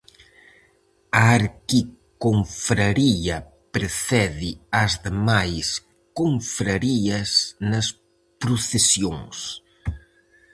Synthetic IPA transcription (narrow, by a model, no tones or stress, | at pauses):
aːɾkikoɱfɾɐɾiɐ | pɾeθɛðiɐzðemajs | koɱfɾɐɾiɐsnɐs | pɾʊθesjoŋs